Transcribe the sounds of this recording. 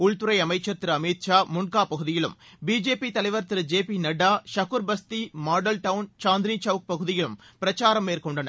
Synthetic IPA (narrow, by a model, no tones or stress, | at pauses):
ʊɭt̪ɯɾɐɪɐmɐɪt͡ʃːɐɾt̪ɪɾɐmiːt̪t͡ʃaːmʊnkaːpɐɣɯðɪjɪlɯ̰mbiːd͡ʒeːpit̪ɐlɐɪʋɐɾt̪ɪɾɯd͡ʒeːpinɐɖaːʃɐkɯɾbɐst̪imaːɖɐlʈɐʋʊnt͡ʃaːnd̪ɾiːt͡ʃɐʋɯk̚pɐɣɯðɪjɪlɯmpɪɾɐt͡ʃaːɾɐmːeːrkɔɳɖɐnɐ̰ɾ